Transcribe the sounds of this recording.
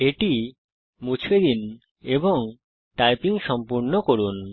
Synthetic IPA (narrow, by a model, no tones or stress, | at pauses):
eʈi | mut͡ɕʰed̪in | eboŋ | ʈajpiŋʃɔmpuɾnokoɾun